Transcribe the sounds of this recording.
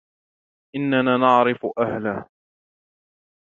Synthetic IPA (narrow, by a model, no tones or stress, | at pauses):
ʔɪnːanaːnɑʕɾɪfʊʔahlaː